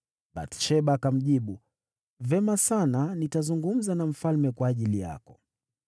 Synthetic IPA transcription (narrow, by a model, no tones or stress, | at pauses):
ba̰tʃɛɓakam̩ʄiɓu | vɛmasananitazuŋɡum̩zanaɱ̩falmɛkwaːʄilija̰kɔ